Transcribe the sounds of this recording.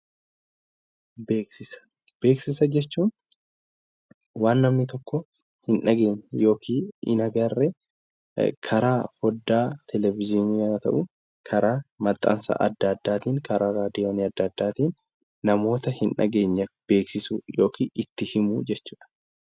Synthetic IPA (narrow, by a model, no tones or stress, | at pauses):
beːksɪsɐ̥ | b̥e̞ːksɪsɐd͡ʒɛt͡ʃːuːn | waːnːɐmnɪt̪ɔkːɔ | hɪnᶑɐɡe̞ːɲːɐjo̞ːkʰiːɪ̰nɐɡɐrːɛ | kʰɐɾaːfɔd̪ːaːt̪ʰɛlɛvɪd͡ʒɪniɐɐt̪ɐ̰ʔʊ | kʰɐɾaːmɐt̪ʼːɐ̰nsɐ̰ʔɐd̪ːɐd̪ːaːt̪iːŋkʰɐɾaːɾaːd̪iɐniɐd̪ːɐd̪ːaːt̪iːnː | ɐmo̞ːt̪ɐhɪnᶑɐ̰ɡe̞ːɲːɐb̥e̞ːksɪsʊjo̞ːkʰiːɪt̪ːɪhɪmud͡ʒɛt͡ʃːuːᶑɐ̥